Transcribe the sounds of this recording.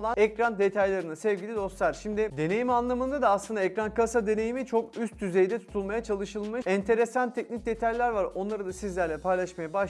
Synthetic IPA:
lˠanɛkɾand̪e̞t̪ʰajlˠaɾɯnasɛvɟʲilʲid̪o̞slˠaɾ̥ʃimd̪ɪd̪e̞ne̞jimanlˠamɯnd̪ad̪aːslˠɯnd̪aɛcɾankasad̪e̞ne̞jimit͡ʃʰo̞kyst̪̚ːyze̞jd̪ɛt̪ʰu̥t̪ʰulˠmajat͡ʃʰalˠɯʃɯlˠmɯʃɛnt̪ʰe̞ɾesant̪ʰɛcnic̚d̪e̞t̪ʰajlʲæɾvaɾo̞nlˠaɾɯd̪asizlʲæɾlʲɛpʰajlˠaʃmajabaʃ

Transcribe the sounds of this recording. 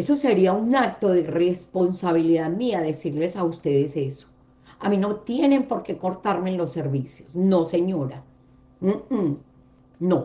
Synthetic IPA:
e̞so̞se̞ɾiaunak̚t̪o̞ðere̞spo̞nsaβ̞iliðaðmiaðe̞siɾle̞saust̪e̞ðe̞se̞so̥ | amĩno̞t̪je̞ne̞mpo̞ɾke̞ko̞ɾt̪aɾme̞nlo̞sːe̞ɾβisjo̞sno̞se̞ɲo̞ɾa | no

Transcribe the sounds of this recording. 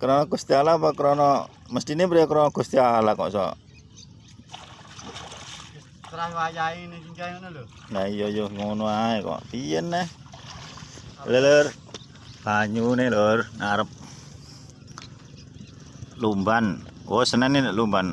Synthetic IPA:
kəɾɔnɔɡust̪ialapakəɾonɔ | məst̪inibɾiakəɾɔnɔɡust̪ialakɔ̰ʔsɔ̰ʔ | t̪ɾawajaind͡ʒaunl | naijojoŋunuaekɔ̰ʔpijənːɛh | lələr | paɲunelərnaɾəp̚ | lumbanwɔsənanilumban

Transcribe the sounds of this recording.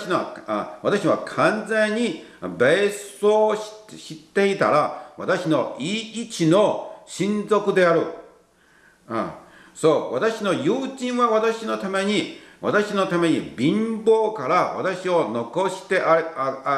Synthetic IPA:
ɕiaβat̪aɕiβakʰãnd͡zẽ̞ɲ̟ːibesoːɕit̪ːe̞it̪a̰ɾaβa̰t̪aɕino̞iit͡ɕino̞ɕĩnd͡zo̞kɯ̟d̪e̞aɾɯ̟ | so̞ːβat̪aɕino̞jɯːʑĩɰ̃βaβat̪aɕino̞t̪ame̞ɲ̟iβat̪aɕino̞t̪ame̞ɲ̟ibʲĩmbo̞ːkaɾaβa̰t̪aɕio̞no̞ko̞ɕi̥t̪e̞ʔa

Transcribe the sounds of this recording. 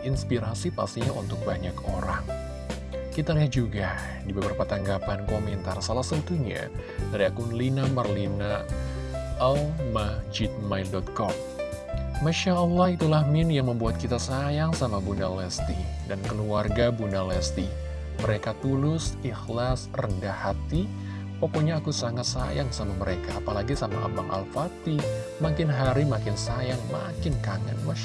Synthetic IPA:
ʔinspiɾasipast̪iɲaṵnt̪ʊk̚baɲakoɾa̰ŋ | kit̪aliɦat̪̚d͡ʒuɡa | dibabərpat̪aŋɡapankomɛnt̪arsalahsaut̪uɲa̰ | daɾiakunlinamarlina | almad͡ʒit̪̚majldɔt̪̚kɔm | maʃaəlːɔhit̪ulahmɪnjaŋməmbuat̪̚kit̪asajaŋsamabuna̰lɛst̪idankəluarɡabunalɛst̪i | məɾekat̪ulʊsihlasrəndahat̪i | pɔkɔɲaːkusaŋat̪sa̰jaŋsamaməɾekaːpalaɡisamaʔa̰baŋʔa̰lfat̪i | makɪnɦaɾimakɪnsajaŋma̰kɪnkaŋa̰nma

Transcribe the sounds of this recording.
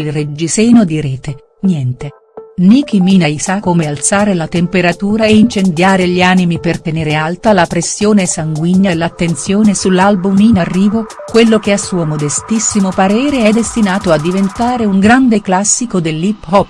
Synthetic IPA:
ilred͡ʒiseːnod̪iɾɛːt̪e | njɛnt̪e | nikiminaisakːomealt̪saːɾelat̪empeɾat̪uːɾaeint͡ʃend̪jaːɾeʎiaːnimipert̪eneːɾealt̪alapɾesːjoːnesaŋɡwiɲːalːat̪ːent̪sjoːnesulːalbuminarːiːvo | kwelːokeasːuːomod̪est̪isːimopaɾɛːɾeɛd̪est̪inaːt̪oad̪ːivent̪aːɾeuŋɡɾand̪eklasːikod̪elːiphɔpː

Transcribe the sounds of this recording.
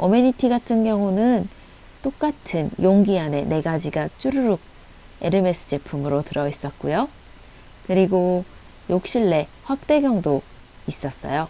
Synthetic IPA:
omeɲitʰiɡatʰɯnɡjʌŋunɯn | t͈ok̚k͈atʰɯnjoŋɡiane̞̰ne̞ɡad͡ʑiɡat͡ɕ͈uɾuɾuɡ̚ | e̞̰ɾɯme̞s͈ʰɯ̥d͡ʑe̞pʰumɯɾotɯɾʌis͈ʌt̚k͈ujo | kɯɾiɡo | jok̚ɕ͈iɭːe̞ɸwak̚t͈e̞ɡjʌŋdo | is͈ʌs͈ʌ̰jo

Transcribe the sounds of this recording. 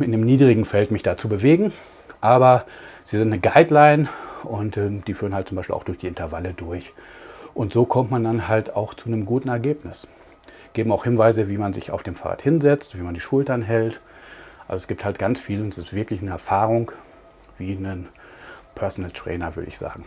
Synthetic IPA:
ɪndeːmniːdʁɪɡŋ̩fɛltmɪçd̥aːt͡subəveːɡŋ̩ | ʔaːbɐz̥iːzɪntnəɡaɪdlaɪnʔʊntʔɛːmd̥iːfyːʁən̩halt̚t͡sʊmbaɪʃpḭla̰ʊxd̥ʊɐçd̥iːɪntɐvalədʊɐçʔʊntz̥oːkʰɔmtmandanhalta̰ʊxt͡sunəmɡuːtn̩ɛɐɡeːpnɪs | ɡ̥eːbm̩aʊxhɪnvaɪzəviːmanzɪ̰ça̰ʊfd̥eːmfaːʁa̰ːthɪnzɛt͡stviːmandiːʃʊltɐnɦɛltʔa̰lzoɛsɡ̥iːp̚thaltɡ̥ant͡sfiːləʊntɛsɪstv̥ɪɐklɪçnəɛɐfaːʁʊŋ | v̥iːnən | pʰœɐsonltʁ̥ɛ̰ːnɐvʏɐdə̰ɪ̰çz̥a̰ːɡŋ̩

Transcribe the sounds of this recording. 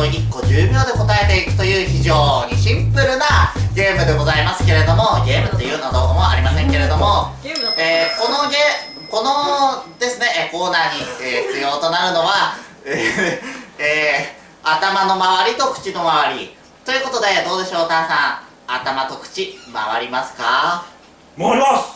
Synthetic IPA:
ikːo̞ʑɨːbʲjo̞ːd̪e̞ko̞t̪ae̞t̪e̞ikɯ̟̥t̪o̞jɯ̟ːçiʑo̞ːɲ̟iɕĩmpɯ̟ɾɯ̟naɡʲe̞ːmɯ̟d̪e̞ɡo̞zaimasɨ̥ke̞ɾe̞d̪o̞mo̞ɡʲe̞ːmɯ̟t̪ːejɯ̟ːnad̪oːkomoa̰ɾʲimasẽ̞ŋke̞ɾe̞d̪o̞mo̞eːko̞no̞ɡe | ko̞no̞d̪e̞sɨne̞ʔko̞ːnaːɲ̟ieːç̥t͡sɨjo̞ːt̪o̞naɾɯ̟no̞βae | eː | at̪amano̞maβaɾʲit̪o̞kɯ̟̥t͡ɕino̞maβ̞aɾʲi | t̪o̞jiɯ̟ko̞t̪o̞d̪e̞d̪o̞ːd̪e̞ɕo̞ːt̪ãsãɰ | a̰t̪amat̪o̞kɯ̟̥t͡ɕima̰βa̰ɾʲimasɨ̥ka | mimas

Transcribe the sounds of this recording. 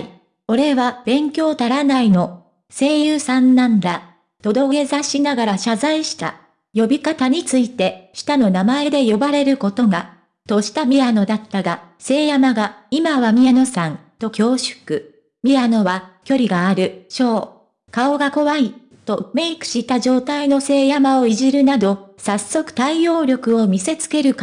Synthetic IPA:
o̞ɾe̞βab̥ẽ̞ŋkʲo̞ːt̪aɾanaino̞ | se̞ːjɯːsãnːãnd̪a | t̪o̞d̪o̞ke̞zaɕinaɡaɾaɕazaiɕi̥t̪a̰ | jo̞bʲikat̪aɲ̟it͡sɨit̪e̞ɕi̥t̪ano̞namae̞d̪e̞jo̞baɾe̞ɾɯ̟ko̞t̪o̞ɡa | t̪o̞ɕi̥t̪amʲiɾano̞d̪at̪ːaɡase̞ːjamaɡaimaβamʲiano̞sãnt̪o̞kʲo̞ːɕɨ̥kɯ̟ | mʲiɾano̞βakʲo̞ɾʲiɡaːɾɯ̟ɕo̞ː | kao̞ɡako̞βai | t̪o̞me̞ikɯ̟̥ɕit̪aʑo̞ːt̪aino̞se̞ːjamao̞iʑiɾɯ̟nad̪o̞sasːo̞kɯ̟̥t̪aijo̞ːɾʲo̞kɯ̟o̞mʲise̞t͡sɨ̥ke̞ɾɯ̟k

